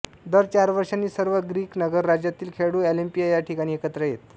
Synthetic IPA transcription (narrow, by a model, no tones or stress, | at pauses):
d̪əɾt͡ɕaɾʋəɾʂanːiːsəɾʋəɡɾiːknəɡəɾːad͡ʑjat̪iːlkʰeɽuɛlimpijajaʈʰikaɽ̃iːekət̪ɾəjet̪